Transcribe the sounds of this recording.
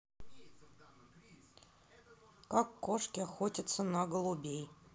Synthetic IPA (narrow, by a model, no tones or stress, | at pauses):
kakːoʂkʲɪaxotʲɪt̪sənaɡəlˠubʲej